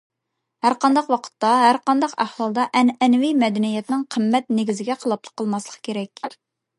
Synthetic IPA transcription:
hæɾqɑnd̪ɑqwɑqʰə̥t̪ːɑɦæɾqɑnd̪ɑqæhwɑlˠd̪ɑʔɛnɛnɪwijmɛd̪ɛnijɛt̪nɪŋqʰəmːɛt̪neɡʲizɪɡʲɛqʰəlˠɑp̚lˠə̥qʰːəlˠmɑslˠəqʰkʲeɾɛkʲ

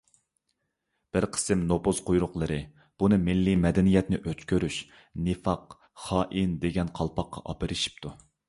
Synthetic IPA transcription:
b̥ɪɾqʰə̥sɨmnopoz̥qʰojɾʊqlˠəɾɨ | b̥unɨmɪlːimɛd̪ɛnijɛt̪nɪʔøt͡ʃkʲʰøɾyʃ | nɨfɑq | χɑːʔind̪eɡʲɛnqʰɑlˠpʰɑqːɑ̰ʔɑpɪɾɨʃi̥p̚t̪ʰu

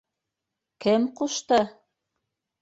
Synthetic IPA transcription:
kɘmquʃt̪ɤ

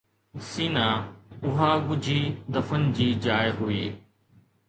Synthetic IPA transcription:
siːnaːʊɦaːɡʊd͡ʑʱiːd̪ɐfənɪ̆d͡ʑiːd͡ʑaːjɦʊiː

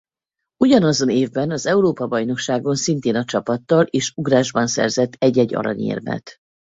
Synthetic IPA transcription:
uɟɒnɒzo̞neːvbɛnɒzɛuɾoːpɒbɒjno̞kʃaːɡo̞nsint̪eːnɒt͡ʃɒpɒt̪ːɒleːʃuɡraːʒbɒnsɛ̰rzɛt̪ːɛɟːɛɟːɒ̰ɾɒ̰ɲḛːrmɛ̰t̪

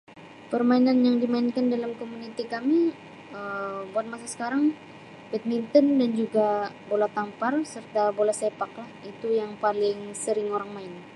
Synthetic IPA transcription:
pərmainanjaŋdimaɪnkandalamkomunit̪ikami | əbuat̪̚masasə̥kaɾaŋ | bɛt̪̚mint̪ɔndand͡ʒuɡabolat̪amparsərt̪abolahsepaklahit̪ujaŋpalɪŋsəɾɪŋoɾaŋmaɪn

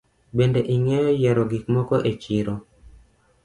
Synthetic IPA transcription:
bendeʔiŋɛjɔjɛɾɔɡikmɔkɔʔet͡ʃiɾo

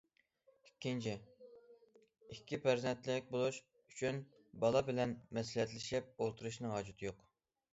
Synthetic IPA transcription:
ikʲːint͡ʃʰɪ | ikʲʰːipʰæɾzɛnt̪lɪk̚ʲbolˠuʃ | y̥t͡ʃʰyn | bɑlˠɑbɪlɛnmɛslɛt̪lɪʃɛp̚olˠt̪ʰuɾuʃnɨɦɑd͡ʒut̪ʰɨjoq

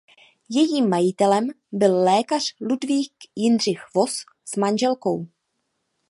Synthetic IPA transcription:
jɛjiːmːajɪt̪ɛlɛm | bɪllɛːkar̝̥ludviːkjɪnr̝ɪxvo̞s | z̥manʒɛlko̞w

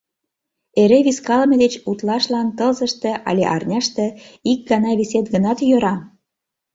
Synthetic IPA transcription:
eɾeβiskɑlmed̪et͡ɕut̪lɑʃlɑnt̪ɤlzəʃt̪ĕʔɑ̰lʲḛʔɑ̰rnʲɑʃt̪ĕik̚ɡɑnɑβiset̪ɡənɑt̪jøɾɑ

